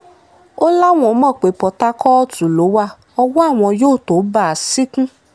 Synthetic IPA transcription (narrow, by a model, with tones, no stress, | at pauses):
o˦la˦˨w̃ɔ̃˨˦mɔ̃˦˨k͡pe˨pɔ˨˦ta˦kɔ˦tu˨lo˨˦wa˦ | ɔ˧wɔ˦a˦˨w̃ɔ̃˧joː˦˨to˨˦ba˦˨a˨si˦kũ˦